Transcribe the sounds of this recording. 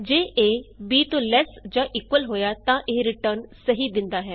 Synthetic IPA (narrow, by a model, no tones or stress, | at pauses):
d͡ʒeːʔeːbiːt̪olɛːsd͡ʒãːʔiːkwəlɦoːjaːt̪ãːʔeːɾɪʈəɾnsəɦid̪ɪ̃nd̪aːɦɛː